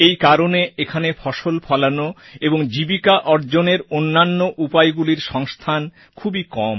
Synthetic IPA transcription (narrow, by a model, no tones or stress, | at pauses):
ejkaɾoneekʰanefʰɔʃolpʰɔlanoeboŋd͡ʑibikaʔɔɾd͡ʑoneɾonːanːoʔupajɡuliɾʃɔŋst̪ʰan | kʰubikɔm